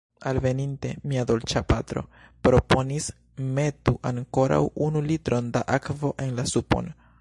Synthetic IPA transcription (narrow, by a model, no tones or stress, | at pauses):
alve̞ninte̞miado̞lt͡ʃapatɾo̞̰ | pɾo̞po̞nis | me̞tuʔaŋko̞ɾa̰wunulitɾo̞ndaʔakvo̞ʔe̞nlasupo̞̰n